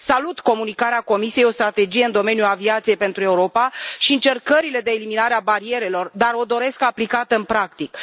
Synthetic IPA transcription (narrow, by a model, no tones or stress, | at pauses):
salut̪ko̞munikaɾeako̞misijejo̞st̪ɾat̪e̞d͡ʒije̞ɨnd̪o̞me̞njuaviat̪sijejpe̞nt̪ɾue̞uɾo̞paʃiɨnt͡ʃe̞rkəɾile̞d̪e̞ːliminaɾeabaɾie̞ɾe̞lo̞rd̪aɾo̞d̪o̞ɾe̞skaplikat̪əɨnpɾakt̪ik